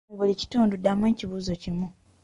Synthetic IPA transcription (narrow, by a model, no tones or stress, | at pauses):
βulici̥tuːndudːamweːciβuːzo̞cimu